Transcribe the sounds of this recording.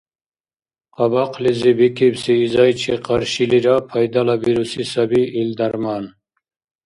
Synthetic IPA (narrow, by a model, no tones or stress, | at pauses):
qɑbɑqʰlizibikʰibsiːzɑjt͡ʃʰiqʰɑɾʃiliɾɑpʰajd̪alabiɾusisabiːld̪aɾmɑn